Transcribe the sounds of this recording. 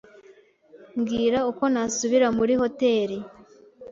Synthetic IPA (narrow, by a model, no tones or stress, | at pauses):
mɡiːɾauko̞nasuβiɾamuɾiho̞te̞ːɾi